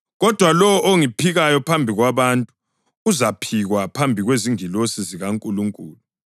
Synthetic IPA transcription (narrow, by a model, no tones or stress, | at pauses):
ɣɔd̥ʱwalɔwɔʔoŋipʰiɣajɔpʰambʱiɣwaβantʼuː | zapʰiɣwapʰambʱiɣweziŋilosiziɣaŋkʼuluŋkʼṵːlu